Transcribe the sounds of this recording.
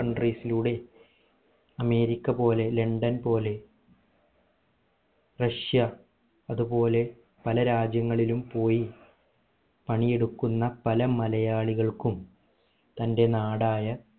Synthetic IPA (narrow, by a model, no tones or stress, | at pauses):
ɐɳɖriːsiluɽe̞ | ɐme̞ːɾikʲːɐpo̞ːle̞le̞ɳɖɐnpo̞ːle̞ | rɐʂjɐ | ɐðubo̞ːle̞ | pɐlɐɾaːd͡ʑjɐŋːɐɭilumpo̞ːji | pɐɳije̞ɽukːunːɐpɐlɐmɐlɐjaːɭiɣɐɭkum | t̪ɐnde̞naːɽaːjɐ